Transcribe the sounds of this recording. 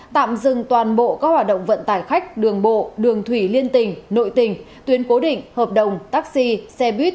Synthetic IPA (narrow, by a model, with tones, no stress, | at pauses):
t̪a̰ː˧˨mzɨ˨˩ŋt̪waː˨˩nɓo̰˧˨kaː˦˥k̚hwaː˨˩t̚ɗə̰˧˨ŋ͡mvə̰˧˨nt̪aː˧˨˩jxa˦˥jk̟̚ɗɨ˨˩əŋɓo̰˧˨ɗɨ˨˩əŋt̪ʰwi˧˩li˧ənt̪ï˨˩ŋ̟no̰˧˨jt̪ï˨˩ŋ̟ | t̪wi˨˦ənko˨˦ɗḭ̈˧˨ŋ̟həː˨˩p̚ɗə˨˩wŋ͡mt̪aː˦˥k̚si˧sɛ˧ɓi˦˥t̚